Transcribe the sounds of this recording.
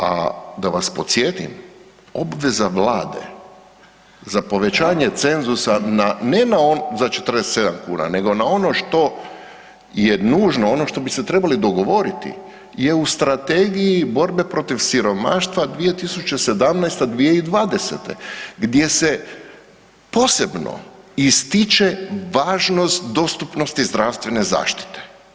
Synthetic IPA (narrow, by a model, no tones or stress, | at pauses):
a̰d̪aʋaspo̞t̪sʲjet̪ḭm | o̞bʋe̞zaʋlaːd̪e̞̰ | zapo̞ʋe̞t͡ɕaːɲe̞t̪se̞nzusananenaozat͡ʃe̥t̪ɾrd̪eset̪se̞d̪amkṵːna̰ne̞ɡo̞nao̞no̞ʃt̪o̞ | jenuːʒnoono̞ʃt̪o̞bise̞t̪ɾe̞balid̪o̞ɡo̞ʋo̞ɾit̪ḭ | je̞ust̪ɾat̪e̞ɡijibo̞ɾbe̞pɾo̞t̪ifʋsiɾo̞ma̰ːʃt̪ʋad̪ʋije̞t̪isut͡ʃese̞d̪amnajst̪ad̪ʋijeid̪ʋaːd̪e̞se̞̰t̪e̞̰ɡd̪je̞se̞ | po̞ːse̞bno̰ | ist̪it͡ʃe̞ʋaːʒno̞st̪d̪o̞st̪upno̞st̪izd̪ɾaʋst̪ʋe̞ne̞za̰ːʃt̪i̥t̪e̥